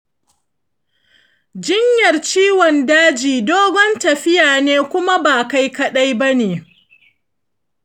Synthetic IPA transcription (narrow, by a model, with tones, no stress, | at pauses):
d͡ʒɪ˦ɲjɐ˨rt͡ʃiː˦wɔ˨ndaː˦d͡ʒiː˨doː˦ɡɔ˦ntɐ˨ɸɪ˦jaː˨neː˦kʷʊ˦ma˦baː˨ka˦jkɐ˦ɗa˦jba˦neː˨